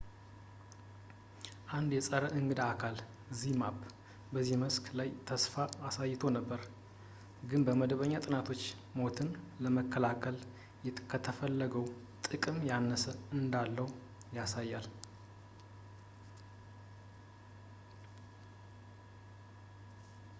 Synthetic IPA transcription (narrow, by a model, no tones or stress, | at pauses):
ʔand̪jɛsʼəɾəʔɨŋɡɨd̪akʰal | zimab | bəzːiməskʰlajt̪ʰəsfaːsajːt̪ʰo̞nəbːəɾ | ɡɨnbəməd̪əβəɲːat̪ʼɨnat̪ʰo̞t͡ʃː | mo̞t̪ʰɨn | ləməkːəlakʰəl | jɛkʰət̪ʰəfəlːəɡəw | t̪ʼɨkʼɨmjanːəsəɨnd̪alːəw | jasajːal